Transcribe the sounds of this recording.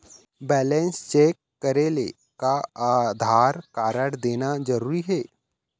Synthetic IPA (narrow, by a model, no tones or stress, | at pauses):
bɛːlɛ̃nst͡ʃeːkːəɾeːle | kaaːd̪ʱaːɾkaːɾəɽd̪eːnazɐɾuːɾiɦɛː